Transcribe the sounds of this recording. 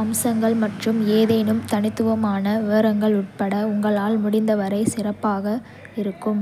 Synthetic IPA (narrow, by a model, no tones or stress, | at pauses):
ɐmsɐŋɡɐɭmɐʈrɯmeːðeːnɯmt̪ɐnɪt̪ːɯʋɐmaːnɐʋeːɾɐŋɡɐɭʊʈ̚pɐɽɐʊŋɡɐɭaːlmʊɽɪnd̪ɐʋɐɾɐɪsɪrɐpːaːɣɐ | ɪɾɯkːɯm